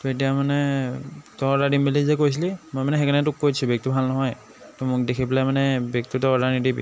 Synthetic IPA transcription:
tet̬ijamanɛ | tɔɔdadimbilizɛkojs̬ilimojmanɛxekʰanɛtʊkːojsʰubek̚tibʱalnɔɦɔj | tumʊk̚dekʰiplamanɛbek̚tutɔɔdanidibḭ

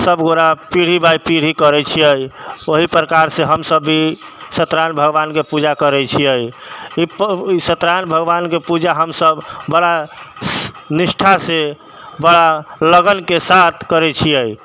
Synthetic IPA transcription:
səbɡoɾapiɽ̤ibajpiɽ̤ikəɾɛt͡ʃʰijəjoɦipɾəkaɾsẽɦəmsəbːi | sət̪ɾanbʱəɡbankepud͡ʒakəɾɛt͡ʃʰiəjisət̪ɾanbʱəɡʋankepud͡ʒaɦəmsəbːəɽa | nisʈʰase | bəɽ̤aləɡənkesat̪ʰkəɾɛt͡ʃʰijəj

